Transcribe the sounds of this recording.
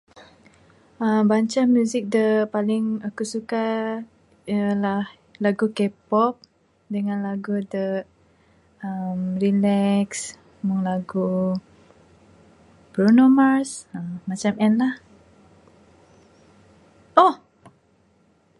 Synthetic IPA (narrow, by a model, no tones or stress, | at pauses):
əmbaɲt͡ʃamjuzɪk̚dəpalɪŋakusuka | lah | laɡukepɔp̚ | dəŋanlaɡudə | əmrilɛks | muŋlaɡu | pɾonomasəmat͡ʃamɛnlah | ʔɔh